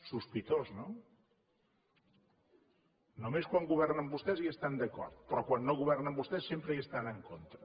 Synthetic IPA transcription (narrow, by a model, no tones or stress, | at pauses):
suspit̪ozno | nomeskwaŋɡuβ̞ɛrnəmbust̪ɛziəst̪and̪əkɔ̰ɾt̪̚pɾɔkwanːoɣuβɛrnəmbust̪ɛsːempɾəiəst̪anəŋkont̪ɾə